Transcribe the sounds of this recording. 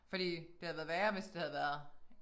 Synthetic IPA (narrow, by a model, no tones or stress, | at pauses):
fɒ̽ɾ̥ḭːd̥e̝hæð̩ˠʋæɐʋæːɐʋensd̥e̝hæð̩ˠʋæɐ